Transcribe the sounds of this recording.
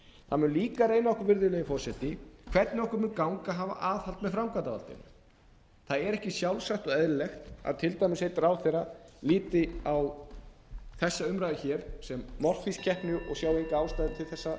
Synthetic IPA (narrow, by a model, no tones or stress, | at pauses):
θaðmʏnliːkarejnaɔhkʏɾvɪɾðʏlɛjɪfɔɾ̥sɛt̪ɪkʰv̥ɛɾt̪nɪɔhkʏɾmʏnkawŋkaɦaːva̰ʔaːðhalt̪mɛðfɾawmkat̪ava̰lt̪ɪ̰n | θaðɛɾɛhcɪsjawlsaht̪ɔɣɛðɾɪlɛxt̪a̰ðt̪ʰɪlt̪ajmɪsejt̪ɾaːwθejraliːt̪ɪaw | θɛsːaʏmɾaðɪçɛːɾ̥sɛmːɔr̥ffiscʰɛhpnʏʔɔ̰ɣsjaːwejŋkaaːwst̪ajðɪt̪ʰɪlθɛsːa